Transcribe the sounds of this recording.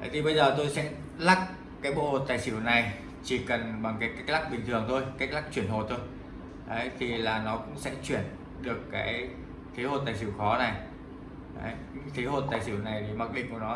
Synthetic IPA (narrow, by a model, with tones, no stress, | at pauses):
ə˨˦t̪ʰi˨˩ɓə˧jzəː˨˩t̪o˧jsɛ̰˧˥ | la˦˥k̚ | kaː˨˦jɓo̰˧˨ho˨˩t̚t̪aː˨˩jsɨ˧˩wna˨˩j | t͡ɕi˧˩kə˨˩nɓa˨˩ŋkaː˨˦jka˦˥k̚la˦˥k̚ɓï˨˩ŋ̟t̪ʰɨ˨˩əŋt̪ʰo˧jka˦˥jk̚la˦˥k̚t͡ɕi˧˩ənɦo˨˩t̚t̪ʰo˧j | ʔə˨˦jt̪ʰi˨˩laː˨˩nɔ˨˦kʊ̰˧˥ŋ͡msɛ̰˧˥t͡ɕwi˧˩ən | ɗɨ˨˩əkːaː˨˦j | t̪ʰi˨˦ho˨˩t̪aː˨˩jsɨ˧˩wxɔ˨˦na˨˩j | ə̰˨˦jɲ̰˧˥t̪ʰi˨˦ho˨˩t̚t̪aː˨˩jsi˧˩wna˨˩jt̪ʰi˨˩ma˨˩k̚ɗḭ̟˧˨ku˧˩nɔ˨˦